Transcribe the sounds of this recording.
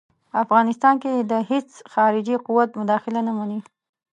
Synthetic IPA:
afɣɑnɪst̪ɑnked̪əhet͡sxɑɾɪd͡ʒiquwat̪mʊd̪ɑxɪlanamani

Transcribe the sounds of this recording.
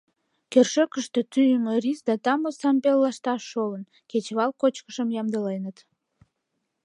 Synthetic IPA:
kerʃøkəʃt̪e̽t̪yjəmərisd̪ɑt̪ɑmosɑmpelːɑʃt̪ɑʃːolən | ket͡ɕβɑlkot͡ɕkəʃəmjɑmd̪əlenət̪

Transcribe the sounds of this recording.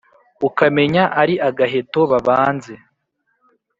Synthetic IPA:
ukame̞ɲaʔaɾiʔaɡaɦe̞to̞βaβaːnze̞

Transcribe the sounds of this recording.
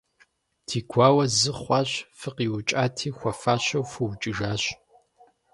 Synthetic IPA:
tʰiːɡʷʰɑːwɐzɨχʷɑːɕfɨqiːwʊt͡ʃʼaːtʰiːxʷɔfaːɕɐwfuwt͡ʃʼɨʒaːɕ

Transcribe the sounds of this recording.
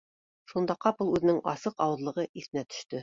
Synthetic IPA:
ʃund̪ɑqɑpulˠʉðɘ̆nɘŋɑ̰sɤqɑwɤ̆ðlˠɤ̆ʁɤʔiθɘ̆næt̪ɵ̥̆ʃt̪ɵ

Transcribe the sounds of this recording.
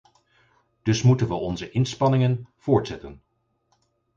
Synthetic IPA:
d̥ɵsmutənʋəʔɔnzəʔɪnspɑnɪŋənv̥ʊːɹtsɛtən

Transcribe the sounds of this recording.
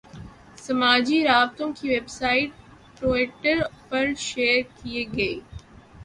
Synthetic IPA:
sɐmaːd͡ʒiɾaːbt̪õkʰiʋebsaːɪʈ̚ | ʈoːɪʈəɾpɐɾʃeːɾkieɡɐeː

